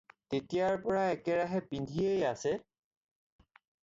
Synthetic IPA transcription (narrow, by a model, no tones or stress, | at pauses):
tetijaɹpɔɹaɛkɛɹaɦɛpindʱiejasɛ